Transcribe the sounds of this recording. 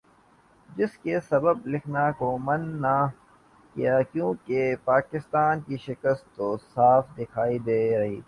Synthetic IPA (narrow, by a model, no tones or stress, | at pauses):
d͡ʒɪskesɐbəblɪkʰnakomɐnːa | kijakjũːkepaːkɪst̪aːnkiʃɪkəst̪ːosaːfd̪ɪkʰaːid̪eːɾɐɦiː